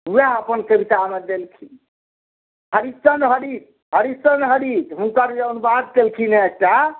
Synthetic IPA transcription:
ɦujaɦəpənkəbit̪amed̪elkʰin | ɦəɾit͡ʃənɦəɽit̪ | ɦəɾissənɦəɽit̪ɦunkaɾd͡ʒənbad̪̚kelkʰinɛek̚ʈa

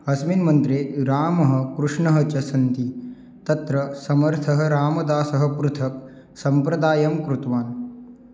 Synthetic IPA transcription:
ɦɐsminmɐnt̪ɾeːɾaːmɐɦɐ̆kɾuʂɳɐɦɐt͡ʃɐsɐnt̪i | t̪ɐt̪ɾɐsɐmɐɾt̪ʰɐɦɐɾaːmɐd̪aːsɐɦɐpɾut̪ʰɐk̚ | sɐmpɾɐd̪aːjɐmkɾut̪ʋaːn

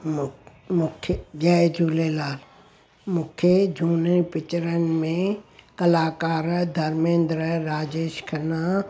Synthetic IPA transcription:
mʊkʰɡɛd͡ʒʱuːlelaːl | mʊ̃kʰed͡ʒʱuːnəpɪt͡ʃɾənɪmẽkɐlaːkaːɾəd̪ʱɐɾmẽːnd̪ɾəɾaːd͡ʒeːʃkʰɐna

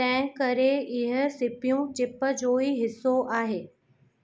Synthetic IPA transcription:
ɛ̃ːkɐɾeɪɦə̆sɪpijũt͡ɕɪpə̆d͡ʑoːiɦɪsːoʔaːɦeː

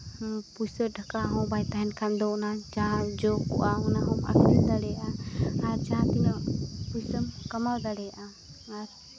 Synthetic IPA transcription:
pujsəɾɖʱakaɦɔ̃bajt̪aɦɛnkand̪ɔnad͡ʒad͡ʒɔkṵʔaɔnaɦɔma̰kild̪aɽɛjʔaaɾt͡ʃãt̪iɲɔʔpujsəmkəmald̪aɽɛjʔa | aɾ

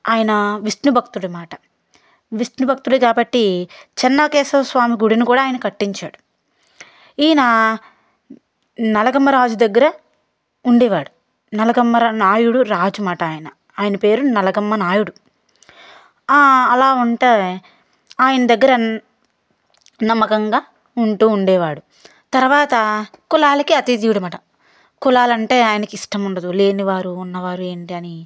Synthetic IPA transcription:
aːjɐnɐʋisnubʱɐkt̪uɽumaːʈɐ̥ | ʋisnubʱɐk̚t̪uɽukaːbɐʈːit͡ʃɛnːɐːkɛːsɐsʋaːmiɡuɽinikuːɽaːjɐnɐkɐʈːiɲt͡ʃaːɽu | iːna | nɐlɐɡɐmːɐɾaːd͡ʒud̪ɐɡːɐɾɐ | uɳɖiʋaːɽu | nɐlɐɡɐmːɐɾɐnaːjuɽuɾaːd͡ʒumaːʈɐaːjɐnɐ | aːjɐnɐpe̞ːɾunɐlɐɡɐmːɐnaːjuɽu | aɐlaːuɳʈeː | aːjɐnɐd̪ɐɡːɐɾɐ | nɐmːɐkɐŋɡaː | uɳʈuːɳɖɛːʋaːɽu | t̪ɐɾʋaːt̪ɐkulaːlɐkiɐt̪id̪iːuɽɐmɐːʈɐ | kulaːlɐɳʈe̞ːaːjɐnɐkiʂʈɐmuɳɖɐd̪ule̞ːniʋaːɾuːnːɐʋaːɾue̞ːɳʈiɐni

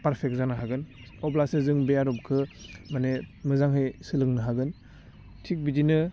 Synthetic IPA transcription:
paɾpʰek̚zanaɦaɡɯn | ɔplasɯzɯŋbejaɾɔp̚kʰɯmanemɯzaŋɦɯjsɯlɯŋnɯɦaɡɯn | tʰik̚bidinɯ

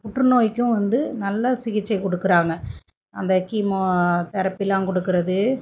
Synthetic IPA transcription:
kʊʈrɯnoːjɪkʲːʊ̃ʋɐnd̪ɯnɐlːɐsɪɣɪt͡ʃːɐɪkɔɽɯkːɯɾaːŋɡɐ | ɐnd̪ɐkiːmoːt̪ɐɾɐpːɪlːãːkɔɽɯkːɯɾɐðɯ

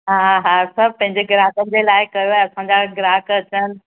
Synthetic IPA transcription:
ɦaɦasɐbpɐ̃ɦɪ̃ɲd͡ʑeɡɪɾaːkənɪ̆d͡ʑelaːɪkɐjoaːɛ̃ɐsãɲd͡ʑaɡɪɾaːkɐt͡ɕənɪ̆

